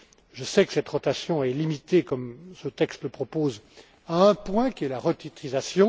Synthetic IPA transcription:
ʒəsɛkə̥sɛt̪ʁɔt̪asjɔ̃ɛlimit̪ekɔmsət̪ɛkst̪ləpχɔpoz | aə̃pwɛ̃kʲiɛlaʁət̪it̪χizasjɔ̃

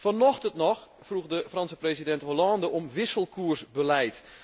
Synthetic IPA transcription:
fɔnɔxtəntnɔx | fruɣdəfrɔnsəpresidɛntɦolɔːndəɔmʋɪsəlˠkʰuərsbəlɛjt

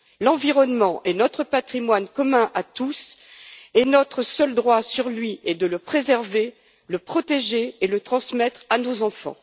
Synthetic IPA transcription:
lɑ̃viʁɔnmɑ̃ʔɛnɔt̪χəpat̪χimwankɔmɛ̃ʔat̪us | ɛnɔt̪χəsœld̪ʁwasyʁlɥiɛd̪ələpχezɛʁve | ləpχɔt̪eʒeːlət̪χɑ̃smɛt̪χanozɑ̃fɑ̰̃

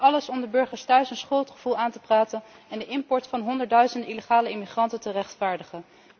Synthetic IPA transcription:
ɑləsɔmdəbɵɹχəɹstœɥsənsχoltχəv̥ulˠaːntəpraːtən | ɛndəʔɪmpɔɹtfɑnɦɔndəɹtdœɥzəndəiləχaːləɪmiχrɑntəntərɛχtfaːɹdəχən

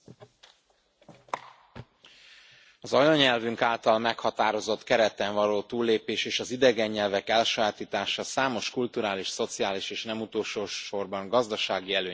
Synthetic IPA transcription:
ɒzɒjoɲɛlvyŋkaːlt̪ɒlmɛkhɒt̪aːɾo̞zo̞t̪kɛɾɛt̪ɛɱvɒloːt̪uːlːeːpeːʃeːʃɒzid̪ɛɡɛɲːɛlvɛkɛlʃɒjaːt̪iːt̪aːʃɒsaːmo̞ʃkult̪uɾaːliʃso̞t̪siaːliʃeːʃnɛmut̪oːlʃoːʃo̞rbɒŋɡɒzd̪ɒʃaːɡiɛløː

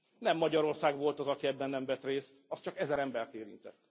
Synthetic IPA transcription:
nɛmːɒɟɒɾo̞rsaːɡʋo̞lt̪ɒzɒkiɛbːɛnːɛɱvɛt̪reːst̪ɒst͡ʃɒkɛzɛɾɛmbɛrt̪eːɾḭnt̪ɛ̰t̪ː

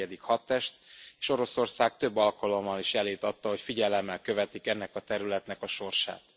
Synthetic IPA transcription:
ɛd̪ikhɒt̪ːɛʃt̪eːʃo̞ɾo̞so̞rsaːɡ̚t̪øbːɒlkɒlo̞mːɒliʃjɛleːt̪ɒt̪ːɒɦo̞cfiɟɛlɛmːɛlkø̞vɛt̪ikɛnːɛkɒt̪ɛɾylɛt̪nɛkɒʃo̞rʃa̰ːt̪

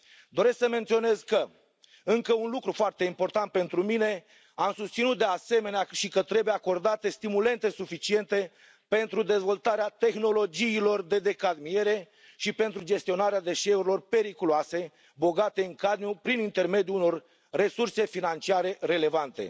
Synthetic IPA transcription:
d̪o̞ɾe̞sksəme̞nt̪sio̞ne̞zkə | ɨŋkəunlukɾufoart̪e̞impo̞rt̪ant̪̚pe̞nt̪ɾumine̞ | amsust̪sinut̪̚d̪e̞ase̞me̞neaʃikət̪ɾe̞bujeako̞rd̪at̪e̞st̪imule̞nt̪e̞sufit͡ʃie̞nt̪e̞ | pe̞nt̪ɾud̪e̞zvo̞lt̪aɾeat̪e̞xno̞lo̞d͡ʒiːlo̞rd̪e̞d̪e̞kad̪mie̞ɾe̞ | ʃipe̞nt̪ɾud͡ʒe̞st̪io̞naɾead̪e̞ʃeuɾilo̞rpe̞ɾikuloase̞ | bo̞ɡat̪e̞ɨŋkad̪njupɾinint̪e̞rme̞d̪juuno̞r | re̞surse̞finant͡ʃiaɾe̞ɾe̞le̞vant̪e̞̰

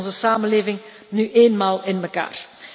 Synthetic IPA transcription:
nzəsaːmənleːvɪŋ | nyʔeːnmaːlˠɪnməka̰ːr

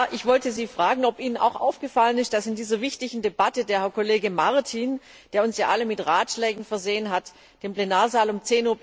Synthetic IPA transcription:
aʔɪçv̥ɔltəziːfʁ̥aːɡŋ̩ɔpʔiːnəna̰ʊxʔa̰ʊfɡ̥əfalənɪst̚d̥asɪndiːzɐvɪçtɪçn̩debatədeːɐhɛɐkoleːɡəmaʁtʰiːn | d̥eːɐʊnsjaːʔaləmɪtʁaːtʃlɛːɡŋ̩fɛɐzeːənɦat | d̥eːmpl̥enaːɐzaːlʊmt͡seːnuːɐ

